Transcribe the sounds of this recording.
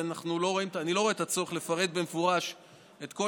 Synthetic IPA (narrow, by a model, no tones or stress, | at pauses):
anaχnulo̞ʁo̞imtanilo̞ʁ̞et̪at͡so̞ʁeχle̞faʁe̞t̪̚be̞mefuʁaʃ | e̞t̪ko̞